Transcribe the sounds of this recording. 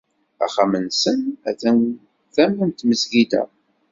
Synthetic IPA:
æ̰χamənsənæ̰θæn | θæmənt̪məsɡid̪æ̰

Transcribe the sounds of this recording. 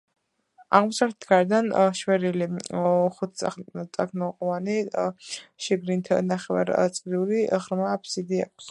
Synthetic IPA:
a̰ʁmɔsalt̪ɛ̥t̪ʰɡaɾɛd̪anʃwɛɾiliχut̪̚ʰʼt̪ʼakʰnɔqʼɔvani | ʃɛɡɾint̪ʰnaχɛva̰ɾt̪sʼqʼd̪iuliʁɾmapʰsid̪ia̰kʼs

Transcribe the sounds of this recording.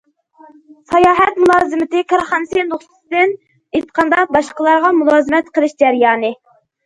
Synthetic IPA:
sɑjɑːɦɛt̪mulˠɑːzɨmɪt̪ɪkʰɑɾχɑnɨsɨnd̪oχsɨsɨd̪ɪn | et̪qʰɑnd̪ɑbɑʃqəlˠɑɾʁɑmulˠɑːzɨmɛt̪qəlˠɪʃd͡ʒæɾjɑːnɨ

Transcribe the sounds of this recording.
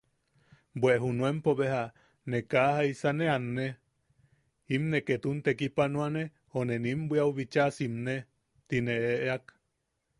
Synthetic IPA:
bweʔɦunuempoβeɦa | nekahaisaneanːe | imneket̪unt̪ekipanũane | honenimbʷiawβit͡ʃasimne | t̪ineeʔeak

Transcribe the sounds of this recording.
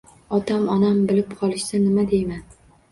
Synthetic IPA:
ɒt̪ʰamɒnambɪlɪpqʰɒlˠɪʃsanɪmad̪e̞jman

